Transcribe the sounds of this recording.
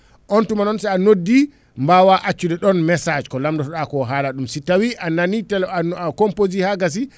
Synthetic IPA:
ʔɔntumanɔnsɛanodːi | mbawaʔat͡ʃːudɛɗɔnmɛsad͡ʒkɔlamdɔtɔɗakɔɦaːlaɗumsitawiʔananitɛlaakɔmpozihaɡas̬i

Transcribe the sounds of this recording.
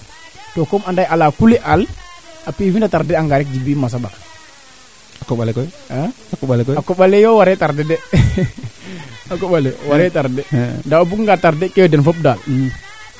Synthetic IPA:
tɔkɔmandajʔalakulɛʔalapifindataɾdɛaŋɡaɾɛk̚d͡ʒibiːmas̬aba̰k | akɔɓalɛkɔ | a | akɔɓalɛkakɔɓalɛjɔwaɾɛtaɾdɛdɛ | akɔɓalɛwaɾɛtaɾdɛndaobukŋɡataɾdɛkɛjɔdɛnfɔp̚dali

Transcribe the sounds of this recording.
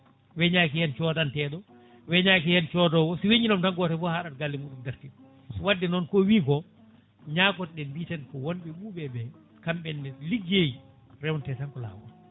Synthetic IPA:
wɛɲaːkihɛnt͡ʃɔdantɛːɗɔ | wɛɲaːkijɛnt͡ʃɔdɔwɔsiweɲinɔmtanɡɔtɛfɔhaɗat̚ɡalːimuːɗundaɾtiɗ | siwadːɛnɔnkɔwiːkɔ | ɲaːkɔtɗɛnbitankɔwonɓɛɓuːɓɛɓɛ | kamɓɛnːɛliɡeji | ɾɛwntɛtankɔla̰ːwɔn

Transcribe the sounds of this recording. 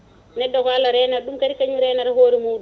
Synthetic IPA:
nɛdːɔkalaɾɛnaɗumkaɾikaɲiɾɛnaɾhoːɾimuːdu

